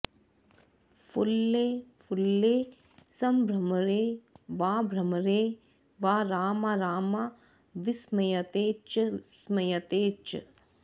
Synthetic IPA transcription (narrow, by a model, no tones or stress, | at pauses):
fʰulːeːfʰulːeː | sɐmbʱɾɐmɐɾeːʋaːbʱɾɐmɐɾeː | ʋaːɾaːmɐɾaːmɐ | ʋismɐjɐt̪eːt͡ʃsmɐjɐt̪eːt͡ʃɐ̰